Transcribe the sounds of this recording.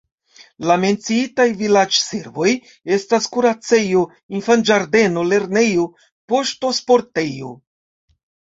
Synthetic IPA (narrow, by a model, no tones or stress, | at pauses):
lame̞nt͡siitajvilad͡ʒseɾvo̞j | e̞staskuɾat͡se̞jo̞ | infand͡ʒaɾde̞no̞le̞ɾne̞jo̞ | po̞ʃto̞spo̞ɾte̞jo̞̰